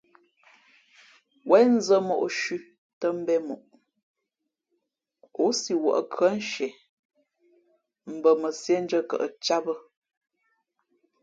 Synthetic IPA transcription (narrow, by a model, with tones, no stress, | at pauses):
wʔɛ˨˦n˦zə˦mɔ̰˨ʔʃʉ˦ | tə˦m̩˦bɛ˦mɔ˨ʔ | o˨˦si˨wə̰˨ʔə˦kʰə˦n̩˦ʃɛ˨ | m̩˨bə˨mə˨sjɛ˦n˦d͡ʒə˦kə̰˦˨ʔə˨t͡ʃa˦bə˦